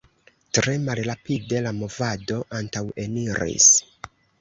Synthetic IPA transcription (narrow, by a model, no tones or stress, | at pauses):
tɾe̞malɾapide̞lamo̞vado̞ʔantawe̞niɾḭs